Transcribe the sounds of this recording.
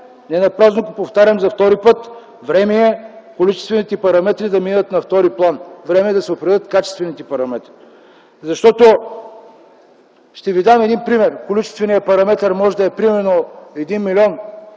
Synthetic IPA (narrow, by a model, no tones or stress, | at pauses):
nɛnɐpɾaznoɡopoft̪aɾʲɐmzɐft̪ɔɾipɤt̪ | vɾɛmɛɛkolit͡ʃɛ̥st̪vɛnit̪ɛpɐɾɐmɛt̪ɾid̪ɐminət̪nɐft̪ɔɾiplˠanvɾɛmɛd̪ɐsɛopɾɛd̪ət̪kat͡ʃɛ̥st̪vɛnit̪ɛpɐɾɐmɛt̪ɾi | zɐʃt̪ɔt̪o | ʃt̪ɛvid̪amɛd̪inpɾimɛɾkolit͡ʃɛ̥st̪vɛnijəpɐɾɐmɛt̪ɐɾmɔʒɛd̪ɐɛpɾimɛnoɛd̪inmilʲiɔn